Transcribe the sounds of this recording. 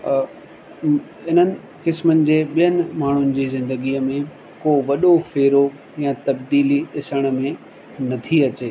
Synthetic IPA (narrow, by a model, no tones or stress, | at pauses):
ɪnənɪ̆ | kɪsmənɪ̆d͡ʑeːɓijənɪ̆maːɳ̤ʊnɪ̆d͡ʑiːzɪ̃nd̪əɡiəmẽ | koʋɐɗofeːɾo | jãt̪ɐbd̪iːliɗɪsəɽ̃ə̆mẽ | nɐt̪ʰiɐt͡ɕeː